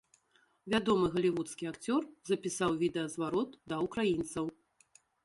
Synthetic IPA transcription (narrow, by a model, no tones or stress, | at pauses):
vʲad̪ɔmɨɣɐlʲivut̪skʲiakt͡sʲɔrzɐpʲisawvʲid̪ɛjɐzvaɾɔt̪d̪ɐukɾajint̪sɐw